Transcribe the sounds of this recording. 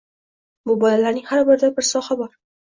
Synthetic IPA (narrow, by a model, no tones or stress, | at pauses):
bʊbɒlalaɾnɪŋhaɾbɪɾd̪abɪɾsɒhabɒɾ